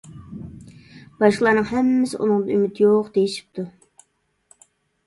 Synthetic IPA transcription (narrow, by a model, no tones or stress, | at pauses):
b̥ɑʃqlˠɑɾnɨŋhɛmːɪsɪʔṵnɨŋd̪ɑymɪt̪ʰjoqd̪ejiʃi̥p̚t̪ʰu